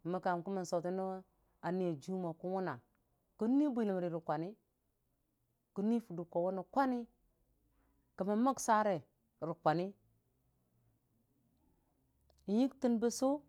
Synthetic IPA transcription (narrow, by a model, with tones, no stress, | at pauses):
ma˨ka˨mkmə˨n˨so˨ti˦ni˦ | a˨ni˦e˨d͡ʒu˦ma˨ku˦wu˦na˨ | kə˦ni˦bi˦˨li˨mɾi˨ɾi˨kʷa˨ni˦ | ku˦ni˦fu˨du˨kːo˨wo˦no˨kʷa˦ni˦ | kə˨ma˨ma˦ksa˦ɾe˨ | ɾi˨kʷa˨ni˦ | i˨ji˦kti˦nbe˦so˦